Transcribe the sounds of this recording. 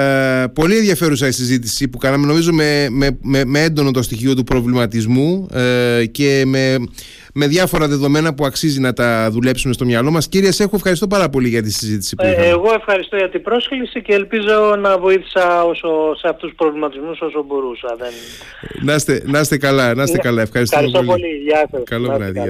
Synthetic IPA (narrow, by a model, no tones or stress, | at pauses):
po̞lienðʝɐfe̞ɾusɐisizit̪isipukɐnɐme̞no̞mizo̞memememeend̪o̞no̞t̪o̞st̪içio̞t̪upɾo̞vlimɐt̪izmu | ce̞me̞ | me̞ðʝɐfo̞ɾɐðe̞ðo̞me̞nɐpuɐksizinɐt̪ɐðule̞psume̞st̪o̞mɲɐlo̞mɐsciɾiɐse̞xuefxɐɾist̪o̞pɐɾɐpo̞liʝɐt̪isizit̪i̥sipuieɣo̞e̞fxɐɾist̪oʝɐt̪ibɾo̞sklisiceːlpizo̞nɐvo̞iθi̥sɐo̞soseɐft̪usupɾovlimɐt̪izmuso̞sobo̞ɾusɐðen | nɐst̪enɐst̪e̞kɐlɐnɐsekɐlɐe̞fxɐɾistsooliɐkokɐloɐ̰ðɐ